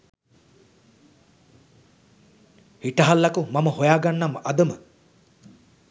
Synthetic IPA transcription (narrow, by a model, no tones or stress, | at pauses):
hiʈɐɦalːakumaməhojaːɡanːamʔɐd̪əmə